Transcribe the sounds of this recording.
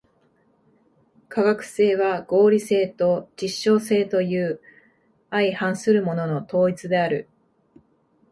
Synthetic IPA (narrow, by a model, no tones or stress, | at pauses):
kʰaɡakɯ̟̥se̞ːβaɡ̥o̞ːɾʲise̞ːt̪o̞d͡ʑiɕːo̞ːse̞ːt̪o̞jɯ̟ː | aihãɰ̃sɨɾɯ̟mo̞no̞no̞t̪o̞ːit͡sɨd̪e̞aɾɯ̟̰